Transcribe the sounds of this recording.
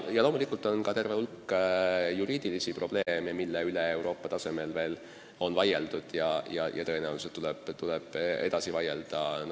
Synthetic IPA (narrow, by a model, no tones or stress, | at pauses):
jɑlo̞ːmulikult̪ːˑo̞nkɑt̪e̞rveulkːˑ | juɾiːd̪̥ilisipro̞b̥le̞ːmemilːeyleewɾʔo̞ːpːɑt̪ɑse̞me̞lve̞ːl | o̞nvɑjeld̪ud̪̥jɑjɑ̰jʔɑ̰t̪ɤ̞enæuuset̪ːulɛb̥t̪ulɛb̥e̞d̪ɑsivɑje̞ld̪̥ɑn